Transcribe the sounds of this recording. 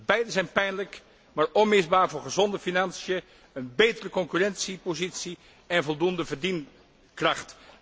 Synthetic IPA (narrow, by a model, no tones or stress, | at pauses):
bɛjdəzɛjnpɛjnlək | maːɹɔnmɪzbaːɹvʊːɹχəzɔndəfinɑnsijə | ənbejtərəkɔŋkyːrɛnsipozitsi | ɛnvɔlˠdundəvəɹdin | krɑχt